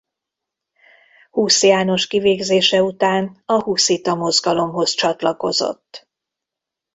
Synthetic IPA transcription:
huːsijaːno̞ʃkiveːɡzeːʃɛut̪aːnɒhuːsit̪ɒmo̞zɡɒlo̞mɦo̞zt͡ʃɒt̪lɒko̞̰zo̞̰t̪ː

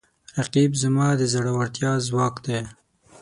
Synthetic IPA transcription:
ɾaqibzamɑːd̪əzaɽawaɾt̪jɑzwɑːkd̪e

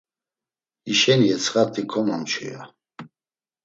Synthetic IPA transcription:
iʃɛniɛt͡sʰχat̪ʰikʰɔmamt͡ʃʰṵja

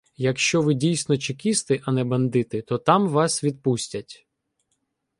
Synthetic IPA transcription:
jɐkʃt͡ʃɔʋɪdʲijsʲnɔt͡ʃɪkʲist̪ɪʔɐnɛbɐnd̪ɪt̪ɪt̪ɔt̪ɑmʋɑsʋʲid̪̚pusʲtʲɐtʲ

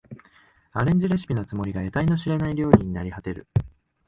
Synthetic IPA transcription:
aɾẽ̞ɲ̟d͡ʑiɾeɕɨ̥pʲinot͡sɨmo̞ɾʲiɡae̞t̪aino̞ɕiɾe̞naiɾʲo̞ːɾʲĩɲ̟inaɾʲihat̪e̞ɾɯ̟̰

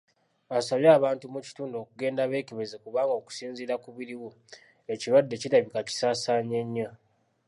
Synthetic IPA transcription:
asaβjaːβaːntumuci̥tuːndo̞ːkuɡe̞ːndaβe̞ːkiβezekuβaːŋɡoːku̥siːnziɾakuβiɾiwu | e̞ciɾwadːe̞ciɾaβikaci̥saːsaːɲe̞ɲːa

